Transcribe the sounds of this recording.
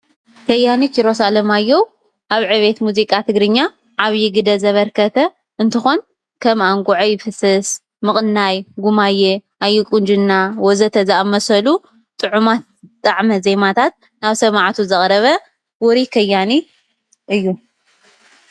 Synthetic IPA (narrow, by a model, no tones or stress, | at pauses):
kʰɐjanit͡ʃʰiɾo̞salɐmajːow | ʔaβʕɨβe̞t̪muzikʼat̪ʰɨɡɾɨɲːa | ʕaβjɪɡɨd̪ɐzɐβɐɾkʰɐt̪ʰɐ | ʔɨnt̪ʰɨxo̞n | kʰɐmaŋɡʼuʕojfɨsɐs | mɨχʼɨnːajɡumajɛʔajːɪkʼund͡ʒɨnːawozɐt̪ʰɐzɐamɐsɐlu | t̪ʼɨʕumat̪̚ | t̪ʼaʕmɐzemat̪ʰat̪̚ | naβsɐmaʕt̪ʰuzɐχʼɾɐβɐ | wɔɾikʰɐjːani | ʔɨjːu